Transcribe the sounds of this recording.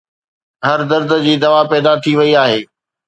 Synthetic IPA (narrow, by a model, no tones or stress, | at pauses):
ɦɐɾd̪ɐɾd̪əd͡ʑiːd̪ɐʋapɛːd̪at̪ʰiʋɐiaːɦeː